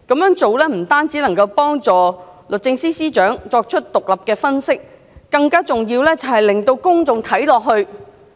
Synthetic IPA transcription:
kɐ˨˥mjœː˨˥ŋt͡so˨wlɛː˥m̩˨˩t̪aː˥nt͡siː˨˥lɐ˨˩ŋkɐ˧wpɔː˥ŋt͡sɔː˨lɵ˨t̚t͡sɪ˧ŋsiː˥siː˥t͡ʃœː˨˥ŋt͡sɔː˧k̚t͡ʃʰɵ˥t̚t̪ʊ˨k̚lɐ˨p̚kɛː˧fɐ˥nsɪ˥k̚ː | ɐ˧ŋkaː˥t͡sʊ˨ŋjiː˧wlɛː˥t͡sɐ˨˩whɐ˨jlɪ˨˩ŋt̪o˧wkʊ˥ŋt͡sʊ˨ŋt̪ʰɐ˨˥jlɔː˨k̚ɦɵ˧ɥ

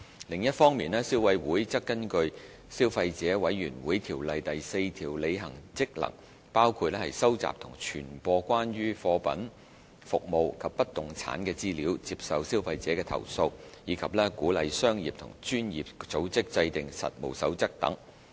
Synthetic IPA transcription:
lɪ˨˩ŋjɐ˥t̚fɔː˥ŋmiː˨nɛː˥siː˥wfɐ˧jwuː˨˥jt͡sɐ˥kːɐ˥nkɵ˧ɥ | siː˥wfɐ˧jt͡sɛː˨˥wɐ˨˥jːyː˨˩nwuː˨˥jt̪ʰiː˨˩wlɐ˨jt̪ɐ˨jse˧jt̪ʰiː˨˩wle˨˧jɦɐ̰˨˩ŋt͡sɪ˥k̚lɐ̰˨˩ŋ | paː˥wkʰu˧t̚lɛ˥hɐ˨˩jsɐ˥wt͡sa̰ː˨p̚t̪ʰʊ˨˩ŋt͡ʃʰyː˨˩npɔː˧kʷaː˥nɥyː˥fɔː˧pɐ̰˨˥n | fʊ˨k̚mo˨wkʰɐ˨pːɐ˥t̚t̪ʊ˨ŋt͡sʰa̰ː˨˥nkɛː˧t͡siː˥liː˨˥wt͡siː˧p̚sɐ˨wsiː˥wfɐ˧jt͡sɛː˨˥kɛː˧t̪ʰɐ̰˨˩wso˧wjiː˨˧˥kʰɐ˨p̚lɛː˥kuː˨˥lɐ˨˧jsœː˥ŋjiː˨p̚t̪ʰʊ̰˨˩ŋt͡ʃyː˥njḭ˨p̚t͡so˨˥wt͡sɪ˥k̚t͡sɐ˧jt̪ɪ˨ŋsɐ̰˨t̚mo̰˨˩wsɐ̰˨˥wt͡sɐ˥k̚t̪ɐ̰˨˥ŋ

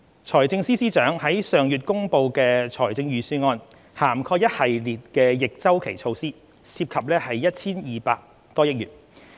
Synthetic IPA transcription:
t͡sʰɔː˨˩jt͡sɪ˧ŋsiː˥siː˥t͡ʃœː˨˥ŋhɐ˨˥jsœː˨ŋjyː˨t̚kʊ˥ŋpo˧wkɛː˧t͡sʰɔː˨˩jt͡sɪ˧ŋjyː˨syː˧ŋɔː˧n | haː˨˩mkʰɔː˧jɐ˥t̚hɐ˨jliː˨˩t̚kɛː˧jɪ˨k̚t͡sɐ˥wkʰe˨˩jt͡ʃʰo˧wsiː˥ | siː˧p̚kʰɐ˨p̚lɛː˥hɐ˨jjɐ˥t̚t͡sʰiː˥njiː˨paː˧k̚ | t̪ɔː˥jɪ˥k̚jyː˨˩n

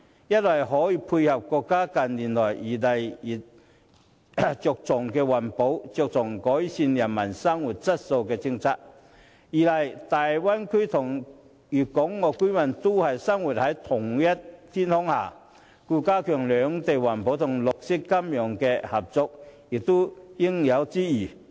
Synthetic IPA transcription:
jɐ˥t̚wɐ˨˩jɦɔː˨˥jiː˨˧pʰuː˧jhɐ˨p̚kɔː˧kːaː˥kɐ˨nliː˨˩nlɔː˨˩jjiː˨˩lɐ˨ji˨˩ | t͡sʊ˨k̚t͡sʊ˨˩ŋkɛː˧wɐ˨˩npo˨˥wt͡sɔ˨˧k̚t͡sʊ˨˩ŋkɔː˨˥jsiː˧njɐ˨˩nmɐ˨˩nsɐ˥ŋwu˨t̚t͡sɐ˥t̚so˧wkɛː˧t͡sɪ˥ŋt͡sʰaː˧˥t̚ | jiː˨˩lɐ˨jt̪aː˨jwɐ˥nkʰy˥t̪ʰʊ˨˩ŋ | jyː˨˩kʊ˨˥ŋːɔː˨˧ku˥mɐ˨˩nt̪o˥hɐ˨jsɐ˥ŋwu˨t̚hɐ˨˥jt̪ʰʊ˨˩ŋjɐ˥t̚t̪ʰiː˥nhɔ˥ŋha̰ː˨˩ | kuː˧kaː˥kʰœː˨˩ŋlœː˨˧ŋt̪e˨jwɐ˨˩npo˨˥wt̪ʰʊ˨˩ŋlʊ˨k̚sɪ˥kːɐ˥mjœː˨˩ŋkɛː˧hɐ˨p̚t͡sʊ˨k̚jɪ˨k̚t̪o˥jɪ˥ŋjɐ˨˧wt͡siː˥jiː˨˩

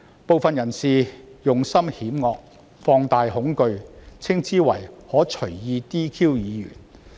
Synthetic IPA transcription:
po˨wfɐ˨njɐ˨˩nsiː˨˩jʊ˨ŋsɐ˥mhiː˨˥mŋɔː˧k̚ | fɔː˧ŋt̪aː˨jhʊ˨˥ŋkɵ˧ɥt͡sʰɪ˥ŋt͡siː˥wɐ̰˨˩jhɔː˨˥t͡ʃʰɵ˨˩ɥjiː˧t̪iː˥kʰiː˥wjiː˨˧jy̰ː˨˩n

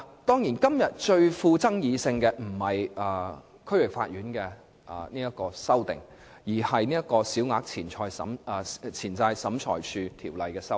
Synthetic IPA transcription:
t̪ɔː˥ŋjiː˨˩nkɐ˥mjɐ˨t̚t͡ʃɵ˧ɥfuː˧t͡sɐ˥ŋjiː˨˧sɪ˧ŋkɛː˧m̩˨˩hɐ˨jɐ˨˩ | kʰɵ˥ɥwɪ˨˩k̚fa̰ː˧t̚jyː˨˥nkɛː˧ | ʔniː˥jɐ˥kɔː˧sɐ˥wt̪ɪ̰˨ŋ | jiː˨˩hɐ˨jniː˥jɐ˥t̚kɔː˧siː˨˥wŋaː˧˥k̚t͡sʰiː˨˩nt͡ʃʰɔː˧jsɐ̰˨˥mː˨t͡sʰiː˨˩nt͡saː˧jsɐ˨˥mt͡ʃʰɔ̰ː˨˩jt͡ʃʰyː˧t̪ʰiː˨˩wlɐ˨jkɛː˧sɐ˥w

